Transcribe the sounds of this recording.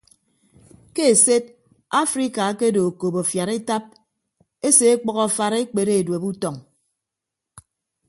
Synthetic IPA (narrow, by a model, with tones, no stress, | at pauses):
ke˦e˨se˦d̚ | a˦fɾi˦ka˨˦ke˦do˨o˨ko˨bo˨fja˨ɾe˦ta˦p̚ | e˦se˨e˦k͡pɔ˦ɣɔ˨fa˨ɾe˦k͡pe˨ɾe˦e˨dwe˨pu˦tɔ˨ŋ